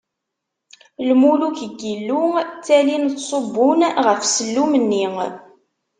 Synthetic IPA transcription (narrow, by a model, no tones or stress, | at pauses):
lmuluçəɡilːut͡sːælintsˤobːʊnʁəfsəlːumənːiŋ